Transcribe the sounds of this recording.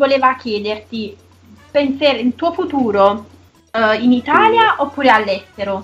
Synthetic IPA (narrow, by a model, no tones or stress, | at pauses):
voleːvak̟jɛːd̪ert̪i | penseːɾeint̪uːofut̪uːɾo | init̪aːljaʔopːuːɾealːɛst̪eɾo